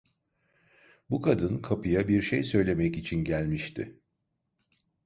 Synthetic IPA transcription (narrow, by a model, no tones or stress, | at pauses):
bukʰad̪ɯnkʰapʰɯjabiɾʃejsø̞jlʲe̞mɛcit͡ʃʰinɟælʲmiʃt̪ʰɪ̰